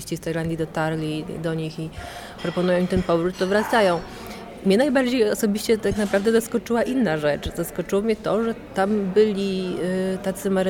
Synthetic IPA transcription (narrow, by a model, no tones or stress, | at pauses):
ɕt͡ɕist̪ajland̪ʲid̪ɔt̪aɾlʲid̪ɔɲixi | pɾɔpɔnujɔ̃w̃t̪ɛnpɔvɾut̪ːɔvɾat̪sajɔ̃w̃ | mɲɛnajbaɾd͡ʑejɔsɔbʲiɕt͡ɕɛt̪aknapɾavd̪ɛzaskɔt͡ʂɘwaʔinːaʐɛt͡ʂzaskɔt͡ʂɘwɔmɲɛt̪ɔʐɛt̪ambɘlʲit̪at̪sɘmaɾ